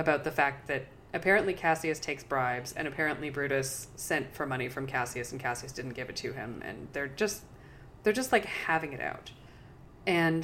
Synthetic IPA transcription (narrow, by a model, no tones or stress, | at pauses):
ɨbaʊt̪̚ðɨfæk̚t̪̚ðɨɾ | ɨpʰɛɹɨ̃nʔlikʰæsiɨstʰeɪksb̥ɹaɪbz̥ɨ̰̃ñɨpʰɛɹɨ̃nʔlibɹʉɾɨsːɛ̃ntfə˞mʌɾ̃ifɹʌ̃mkʰæsiɨsn̩kʰæsiɨsd̥ɪdⁿn̩ɡ̥ɪvɨtʰɨɪ̰̃mɨ̰̃nðə˞d͡ʒʌst | ðə˞d͡ʒʌstˡlaɪkhævɪ̃ŋɨɾʔa̰ʊt | ɨ̃n